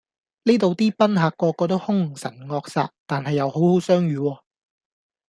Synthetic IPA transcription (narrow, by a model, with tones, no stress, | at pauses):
nliː˥t̪o˨wt̪iː˥pɐ˥nɦaː˨kːɔː˧kːɔː˧t̪o˥whʊ˥ŋ̩˨˩sɐ̰˨˩nŋɔː˧k̚sa̰ː˧t̚t̪aː˨nhɐ˨jːɐ˨˧who˨˥who˨˥wsœː˥ŋjyː˨˧wɔː˧